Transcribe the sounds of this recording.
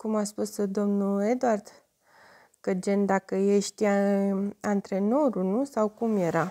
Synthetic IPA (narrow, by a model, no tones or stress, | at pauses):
kumaspusd̪o̞mnued̪oard̪̥ | kəd͡ʒe̞nd̪akəjeʃt̪ʲija | ant̪ɾe̞no̞ɾunusawkumje̞ɾa